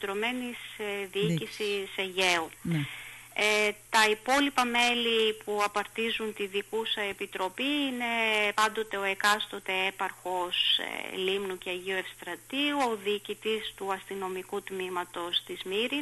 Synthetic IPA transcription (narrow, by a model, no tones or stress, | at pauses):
t̪ɾo̞me̞nisðiiisiseʝe̞u | et̪ɐipo̞lipɐme̞lipuɐpɐɾt̪izunt̪iðikusɐepit̪ɾo̞piine̞pɐnd̪o̞t̪e̞o̞e̞kɐst̪o̞t̪e̞e̞pɐɾxo̞slimnuceɐʝioefst̪ɾɐt̪iuo̞ðiːcit̪ist̪uɐst̪ino̞mikut̪mimɐt̪o̞st̪izmiɾi